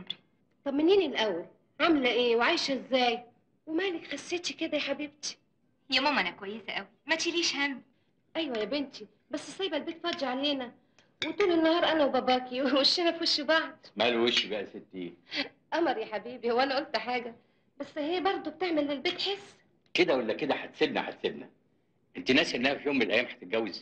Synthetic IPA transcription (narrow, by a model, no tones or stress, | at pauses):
t̪ˤɑbmɪnːiːnilʔæwːæl | ʕamlæʔeːwʕaːjʃʔɪzːæːj | wemæːlɪkxasːeːt̪iked̪æjħabɪb̚t̪i̥ | jæmɑmʔænækwæjːesæʔæwimæt̪iliːʃhæmː | ʔæjwæjæbɪnt̪i | bæsːɪsːæjːbælbeːt̪fɑːˤd͡ʒaʕaleːnæ | wet̪uːlenːɑhɑːɾˤʔænæwbæbæːkiwweʃːinæfuʃibɑʕd̪̚ˤmælweʃibæʔæset̪ːiː | ʔɑmɑɾˤjæħabiːbihowːælæʔolt̪ħaːɡæ | bæsːhejːæbɑɾˤd̪ˤob̚t̪eʕmelːelbeːt̪ħesː | ked̪æwælːæked̪æħat̪sebnæ̰ħat̪sebnæ | ʔent̪inæːsʔenːæhæfijoːmːenelʔæjæːmħḁt̪et̪̚ɡæwːez